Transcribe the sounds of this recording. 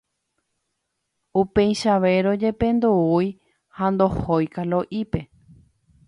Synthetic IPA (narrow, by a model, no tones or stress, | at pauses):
upẽjʃaʋe̞ɾo̞d͡ʒe̞pẽ̞nd̪uuj | hand̪o̞hojkaloʔipe̞